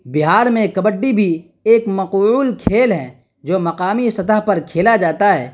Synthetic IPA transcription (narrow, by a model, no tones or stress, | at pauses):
bɪɦaːɾmẽkɐbəɖːibʱi | eːkmɐquːlkʰeːlɦɛ̃ | d͡ʒoːmɐqaːmisɐt̪əɦpɐɾkʰeːlad͡ʒaːt̪aɦɛ̰ː